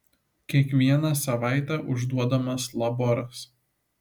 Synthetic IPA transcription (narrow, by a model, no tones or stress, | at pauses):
kʲiɛkʋʲiɛnɑsɐʋɑˑɪt̪ʲæʔʊʒd̪uɔd̪ɐmɐslˠɐbɔɾɐs